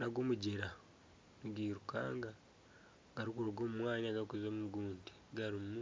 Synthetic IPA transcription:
naɡoːmuɟeɾa | nuɡiːɾuka̰ːŋɡa | ɡaɾikuɾoɡoːmumwaːɲaɡaɾikuzoːmuɡuːnte̥ɡaɾimu

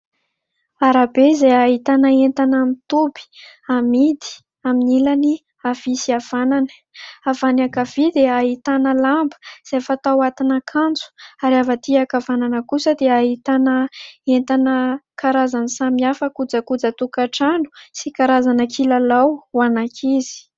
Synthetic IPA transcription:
aɾabezajaɦit̪anəent̪anamit̪ubi̥amid̪i̥ | aminilani | av̥isiav̥ananə̥ | avanakav̥id̪eaɦit̪anəlambə̥z̥efət̪awat̪inakʰant͡su̥aɾavat̪iakavananəkusəd̪eaɦit̪anəent̪anəkaɾazanisamiafəkud͡zəkud͡zət̪ukaʈ͡ʂanu̥sikaɾazanakʰilalawwanakʰizi̥

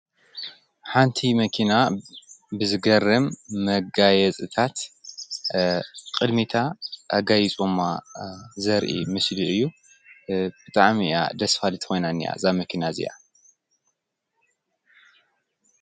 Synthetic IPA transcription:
ħant̪ʰimɐkʰina | bɨzɨɡɐrɨmːɐɡajɛt͡sʼɨt̪ʰat̪ | kʼɨd̪mit̪ʰaʔːɡajit͡sʼomːazɐɾʔḭmɨsliʔɨjːu | b̥ɨt̪ʼaʕmia̰d̪ɐsfalɨt̪ʰɨ̥xo̞jnanːija̰zamɐkʰinazḭja̰

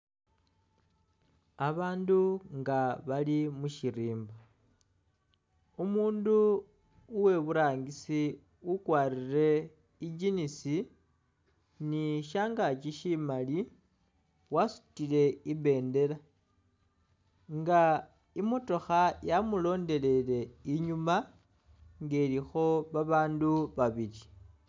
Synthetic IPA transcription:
aβaːnduŋɡaβalimuʃiɾiːmba | umuːnduː | we̞βuɾaːŋɡisi | ukwaːrire̞ | id͡ʒinisi | niʃaːŋɡat͡ʃiʃimali | wasu̥tile̞iβe̞ːnde̞la | ŋɡa | imoto̞xajamulo̞ːnde̞le̞le̞iɲuma | ŋɡelixo̞βaβaːnduβaβili

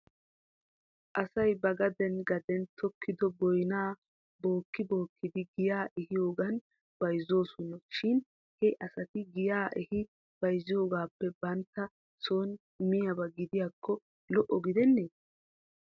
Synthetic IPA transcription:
ʔɐsɐjbɐɡɐd̪ɛnɡɐd̪ɛnt̪ʰɔkʰːɪd̪ɔbɔjnaː | bo̞ːkːɪbo̞ːkːɪd̪ɪɡɪjaːʔɛhɪjo̞ːɡɐn | b̥ɐjzo̞ːsɔnɔʃɪn | hɛʔɐsɐt̪ɪɡɪjaːʔɛhɪ | b̥ɐjzɪjo̞ːɡaːpːɛbɐnt̪ːɐ | so̞ːn | mɪjɐbɐɡɪd̪ɪjaːkʰːɔ | lɔʔɔɡɪd̪ɛnːeː

